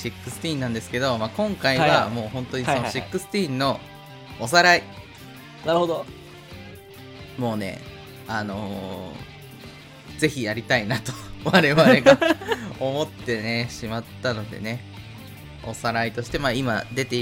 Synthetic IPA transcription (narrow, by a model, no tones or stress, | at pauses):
ɕikːɯ̟sɨ̥t̪ʲiːnːãnd̪esɨ̥ke̞d̪o̞makõ̞ŋkaiβamo̞ːhõ̞nt̪o̞ɲisonoɕikːɯsɨ̥t̪ʲiːnːo̞ː | s̬aɾai | naɾɯhod̪o | mo̞ːne̞̰ | ano̞ | ze̞çijaɾʲit̪ainat̪oβaɾe̞βaɾe̞ɡao̞mo̞t̪ːe̞ne̞ɕimat̪ːano̞d̪e̞̰ne̞ | o̞̰saɾait̪o̞ɕi̥t̪e̞maːima̰d̪e̞t̪e